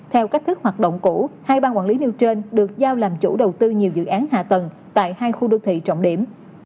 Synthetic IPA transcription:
t̪ʰɛ˧wka˦˥k̚t̪ʰɨ˦˥k̚hwaː˨˩t̚ɗə̰˧˨wŋ͡mku˧˩haː˧jɓaː˧nkwa̰ː˧˩nli˨˦ni˧əwt͡ɕe˧nɗɨ˨˩ək̚zaː˧wlaː˨˩mt͡ɕu˧˩ɗə˨˩wt̪ɨ˧ɲi˨˩əwzɨ̰˧˨ʔaː˨˦nɦa̰ː˧˨t̪ə˨˩n | t̪a̰ː˧˨jhaː˧jxu˧ɗoː˧wt̪ʰḭ˧˨t͡ɕɔ̰˧˨ŋ͡mɗi˧˩əm

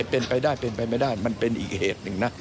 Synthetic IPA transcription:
pe˧npa˧jdaː˥˩jpe˧npa˧jma˧jdaː˥˩jma˧npe˧nʔḭː˨˩k̚heː˨˩t̪̚nɯ˧ŋna˦˥

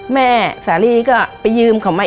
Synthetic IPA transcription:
mɛː˥˩saː˩˦liː˧˩kɔː˥˩pa˧jːɯː˧mkʰa˧˩˦wmaː˧

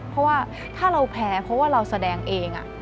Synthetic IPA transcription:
pʰɔ˦˥waː˥˩ | t̪ʰaː˥˩ɾa˧wpʰɛː˧pʰɾɔ˦˥waː˥˩ɾa˧wsa˧dɛː˧ŋʔeː˧ŋʔa̰˨˩

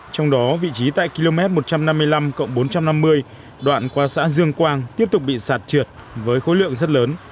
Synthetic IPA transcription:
t͡ɕɔ˧wŋ͡mɗɔ˨˦vḭ˧˨t͡ɕi˨˦t̪a̰ː˧˨jki˧lo˧mɛ˦˥t̚mo˨˩t̚t͡ɕa˧mna˧mːɨ˧əjla˧mkə̰˧˨wŋ͡mɓo˨˦nt͡ɕa˧mna˧mːɨ˧əj | ɗwa̰ː˧˨nkwaː˧sa̰ː˧˥zɨ˧əŋkwaː˧ŋt̪i˦˥əp̚t̪ʊ˨˩k͡p̚ɓḭ˧˨saː˨˩t̚t͡ɕwi˨˩ət̚ | vəː˨˦jxo̰˧˦jlɨ̰˧˨əŋzə˦˥t̚ləː˨˦n

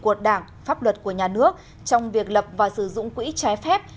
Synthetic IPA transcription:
ku˨˩ət̚ɗaː˧˩ŋ | faː˦˥p̚lwə˨˩t̚ku˧˩əɲaː˨˩nɨ˦˥ək̚ | t͡ɕɔ˧wŋ͡mvi˨˩ək̚lə˨˩p̚vaː˨˩sɨ˧˩zʊ̰˧˨ŋ͡mkwḭ˧˥t͡ɕa˨˧˦jfɛ˦˥p̚

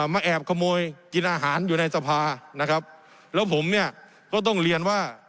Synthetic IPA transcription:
maː˧ʔɛː˨˩p̚kʰa˧moː˧jki˧nʔaː˧ɦaː˩˦njuː˨˩na˧jsa˧pʰaː˧na˦˥kʰa˦˥p̚ | lɛː˦˥wpʰo˩˦mni˥˩ɐ | kɔː˥˩t̪̬ɔ˥˩ŋli˧ənwaː˥˩

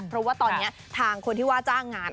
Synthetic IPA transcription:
pʰɾɔ˦˥waː˥˩t̪ɔː˧nːi˦˥ɐt̪ʰaː˧ŋkʰo˧nt̪ʰiː˥˩waː˥˩t͡ɕaː˥˩ŋːaː˧n

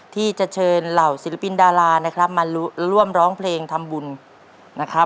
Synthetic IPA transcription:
t̪ʰiː˥˩t͡ɕa˨˩t͡ɕʰɤː˧nla˨˩wsi˨˦la˧pi˧ndaː˧laː˧na˦˥kʰɾa˦˥p̚ma˧nɾu˥˩əmɾɔː˦˥ŋpʰleː˧ŋt̪ʰa˧mbu˧n | na˦˥kʰɾa˦˥

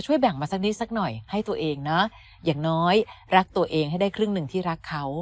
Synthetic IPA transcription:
t͡ɕʰu˥˩əjbɛ˨˩ŋmaː˧sa˦˥k̚ni˦˥t̪̚sa˦˥k̚nɔ˨˩jha˥˩jt̪u˧ɐʔeː˧ŋnɔ˦˥ | jaː˨˩ŋnɔː˦˥jɾa˦˥k̚t̪u˧ɐʔeː˧ŋha˥˩jda˥˩jkʰɾɯ˥˩ŋnɯ˨˩ŋt̪ʰiː˥˩ɾa˦˥kʰːa˦˥w

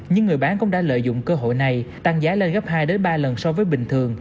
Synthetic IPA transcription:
ɲɨ˧ŋːɨ˨˩əjɓaː˨˦nkʊ̰˧˥ŋ͡mɗa̰ː˧˥lə̰ː˧˨jzʊ̰˧˨ŋ͡mkəː˧ɦo̰˧˨jna˨˩jt̪aː˧˩ŋzaː˨˦le˧nɣə˦˥p̚haː˧jɗe˨˦nɓaː˧lə˨˩nsɔ˧vəː˨˦jɓï˨˩ŋ̟t̪ʰɨ˨˩əŋ

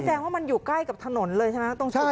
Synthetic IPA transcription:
t͡ɕɛː˧ŋwaː˥˩ma˧njuː˨˩kla˥˩jka˨˩p̚t̪ʰa˧no˩˦nlɤː˧jt͡ɕʰa˥˧˩t̪o˥˧ŋt͡ɕʰ

